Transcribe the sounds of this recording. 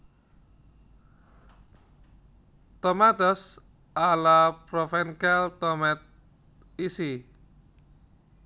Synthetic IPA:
t̪ɔmat̪ɔs | ʔalapɾɔfɛnkɛlt̪ɔmɛt̪̚ | isi

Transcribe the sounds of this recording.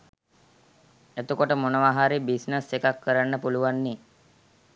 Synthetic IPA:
et̪ukoʈəmonəʋaɦaɾibisnəsekakːəɾanːəpuluʋanːe

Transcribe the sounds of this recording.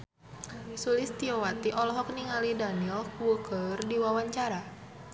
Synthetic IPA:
isulist̪iɔwat̪iʔɔlɔɦɔk̚niŋalidanilkwukərdiwawaɲt͡ʃaɾa

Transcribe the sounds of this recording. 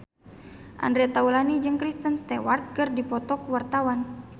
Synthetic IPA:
ʔa̰ndɾɛt̪aulanid͡ʒɨŋkɾist̪ənst̪ɛwart̪̚kɨrdipɔt̪ɔkuwart̪awan

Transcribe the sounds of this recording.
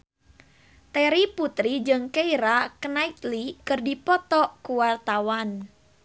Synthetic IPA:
t̪ɛɾiput̪ɾid͡ʒɨŋkeiɾakənait̪likɨrdipɔt̪ɔkuwart̪awan

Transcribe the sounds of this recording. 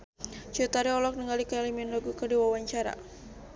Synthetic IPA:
d͡ʒot̪aɾiɔlɔk̚nəŋalikəeliminlaɡukədiwawaɲt͡ʃaɾa̰

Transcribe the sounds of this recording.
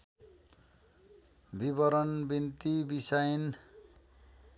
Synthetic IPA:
bibʌɾʌnbint̪ibisʌjʌn

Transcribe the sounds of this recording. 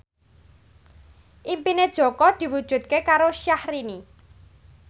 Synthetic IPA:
ʔimpined̥ʒ̥ɔ̤kɔd̪̥i̤wud̥ʒ̥ṳt̪̚kekaɾoʃahɾini

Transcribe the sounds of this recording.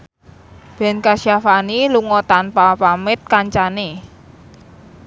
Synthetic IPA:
b̥ɛ̤nkaʃiafaniluŋɔt̪anpapamɪt̪̚kaɲt͡ʃane

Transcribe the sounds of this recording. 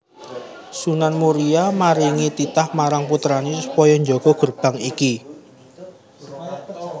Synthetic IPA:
sunanmuɾiamaɾiŋit̪it̪ahmaɾaŋput̪ɾanisupɔjɔɲd͡ʒɔɡ̥ɔ̤ɡ̥ərb̥ä̤ŋiki

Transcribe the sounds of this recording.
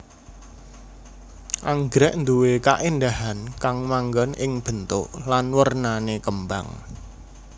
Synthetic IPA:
ʔaŋɡɾɛʔnd̪uweka̰ʔind̪aɦankaŋmaŋɡɔnʔɪŋb̥ə̤nt̪ʊʔlanwərnanekəmba̰ŋ

